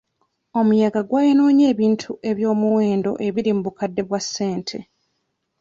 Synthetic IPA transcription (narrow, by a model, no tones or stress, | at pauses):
o̞mujaɡaɡwaːjenoːɲe̞ːβiːntʰuʔe̞βjo̞ːmuwe̞ːndo̞̰ʔe̞βiɾimubukadːe̞βwasːe̞ːntʰe̞̰